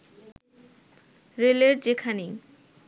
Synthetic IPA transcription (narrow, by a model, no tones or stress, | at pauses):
ɾeleɾd͡ʑekʰani